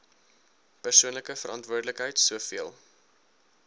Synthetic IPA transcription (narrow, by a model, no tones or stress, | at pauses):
pərsuənləkəfəɾʔɑntvuərdələkɦəjtsuəfiəlˠ